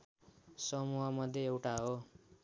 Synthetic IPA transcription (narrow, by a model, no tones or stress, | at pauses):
sʌmuɦʌmʌd̪ʱjeewʈaɦo